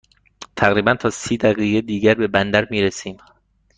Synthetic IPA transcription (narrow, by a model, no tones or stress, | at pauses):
t̪ʰæɣɾiːbænt̪ʰɒːsiːd̪æɣiːɣed̪iːɟæɾbe̞bænd̪æɾmiːɾesiːm